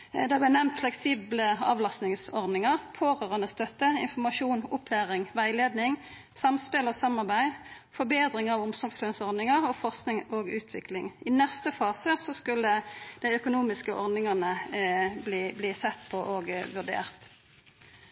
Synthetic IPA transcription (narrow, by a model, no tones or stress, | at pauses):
d̪ɛblænɛmnt̪flɛksiːbləɑ̰ːʋlɑst̪nɪŋsɔʁnɪŋɑʁpʰoːʁøːʁənəst̪œt̪ːəɪnfɔmɑʃuːnʊpʰlæːʁɪŋʋæɪleːd̪nɪŋ | sɑmspɪlɔsɑmːɑʁbæɪ | fɔbeːd̪ʁɪŋɑʋʊmsɔlɡslœnsɔʁnɪŋɑʁɔfɔʁsknɪŋoːɡʉːt̪ʰʋɪklɪŋɪnɛst̪əfɑːsəsɔskʉlːəd̪̥æɪœkʊnuːmɪskəʔɔʁnɪŋɑnəbliːbliːsɛt̪ːpʰɔʔɔɡʋʉʁd̪ḛːʁt̪